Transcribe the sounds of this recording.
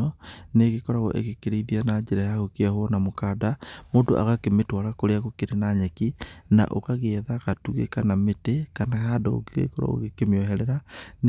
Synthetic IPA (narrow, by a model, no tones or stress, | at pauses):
ɔneɣekɔɾaɣɔ̰ʔḛɣekeɾeiðianad͡ʒɛɾajaɣokeahwɔnamokadamoːdo̰ʔa̰ɣakemetwaɾakoɾeaɣokeɾenaɲɛkina̰ʔo̰kaɣeɛðakatuɣḛkanametekanahadɔo̰ɡḛkɔɾa̰ɣo̰ɣekemeɔɦɛɾɛɾan